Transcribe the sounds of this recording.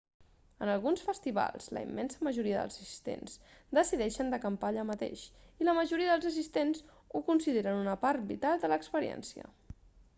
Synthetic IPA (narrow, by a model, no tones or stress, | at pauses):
ənəlˠɣunsfəst̪iβa̰lˠz̥lə̰ḭmːɛnsəməʒuɾiəðə̰lˠzəsi̥st̪ḛnz̥d̪əsiðɛʃənd̪əkəmpaʎamət̪ḛʃiləməʒuɾiəðəlˠzəs̬ist̪enz | ukunsiðeɾənunəpaɾt̪̚bḭt̪alˠd̪ələkspəɾiɛ̰nsiə̰